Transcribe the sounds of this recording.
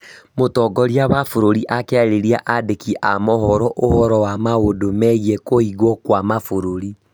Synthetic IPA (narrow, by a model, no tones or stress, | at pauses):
motɔɡɔɾiawafoɾoɾiʔakɛaɾeɾiaʔadekiʔamɔɦɔɾɔʔohɔɾɔwamaodomɛiɛkoiɣɔkwamafoɾoɾi